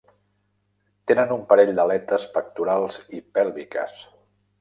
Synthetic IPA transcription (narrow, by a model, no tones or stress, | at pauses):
t̪enənumpəɾɛʎd̪əlɛt̪əspək̚t̪uɾalˠzipɛlˠβikə̰s